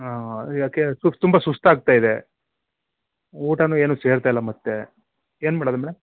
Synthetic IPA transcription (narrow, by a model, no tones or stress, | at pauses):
aːjaːkesut̪umbɐsust̪aːɡ̚t̪aːjid̪e | uːʈɐnueːnuːse̞ːɾt̪ailːɐmɐt̪ːe | eːnmaːɽɐːd̪ɐmɛːɽɐm